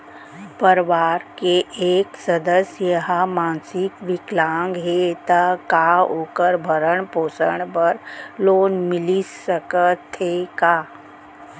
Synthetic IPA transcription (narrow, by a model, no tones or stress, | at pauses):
pəɾʋaːɾkeʔeːksəd̪əsjəɦamãːnsɪkʋɪklãːŋɡɦet̪akaoːkəɾbʱəɾəɳpoːsəɳ̃pəɾloːnmɪlisəkət̪ʰːekaː